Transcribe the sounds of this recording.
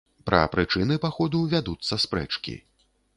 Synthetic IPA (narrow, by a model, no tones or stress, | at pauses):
pɾɐ̰pɾɨt͡ʂɨnɨpaxɔd̪uvʲad̪ut̪sːɐspɾɛ̰t͡ʂkʲḭ